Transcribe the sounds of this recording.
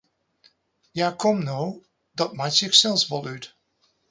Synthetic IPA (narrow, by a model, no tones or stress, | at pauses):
jaːkʰɔmnow | dɑt̚majtsɪxsɛlˠsʋɔlˠyt